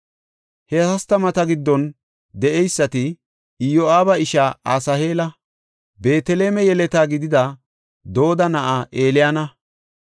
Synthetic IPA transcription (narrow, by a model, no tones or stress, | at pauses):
hɛɐst̪ɐmɐt̪ɐɡɪd̪ːɔn | d̪ɛʔɛjsːɐt̪ɪ | joaːbɐɪʃaʔa̰ːsɐhe̞ːlɐ | be̞ːt̪ɛle̞ːmɛjɛlɛt̪aːɡɪd̪ɪd̪ɐ | d̪o̞ːd̪ɐnɐʔaʔeːlɪjɐnɐ